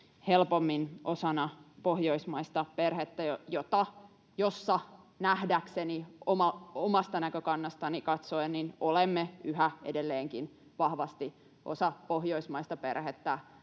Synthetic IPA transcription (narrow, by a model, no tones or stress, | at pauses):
helpomːinʔosɑnɑpohjoismɑist̪ɑperhet̪ːæjojot̪ɑ | josːɑ | næhdækseniomɑomɑst̪ɑnækøkɑnːɑst̪ɑnikɑt̪soenninolemːeyhæḛdelːeːŋkin | ʋɑhʋɑst̪i | ʔo̰sɑpohjoismɑist̪ɑpḛrhet̪ːæ